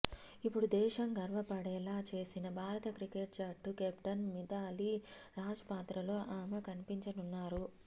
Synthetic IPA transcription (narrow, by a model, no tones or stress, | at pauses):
ipːuɽud̪ɛːʃɐmɡɐɾʋɐpɐɽɛːlaːt͡ʃe̞ːsinɐbʱaːɾɐt̪ɐkɾikeʈ̚t͡ʃaːʈːukɛpʈɐnmid̪aːliɾaːd͡ʒɐpaːt̪ɾɐlo̞ːʔaːmɐkɐnipiɲt͡ʃɐnunːaːɾu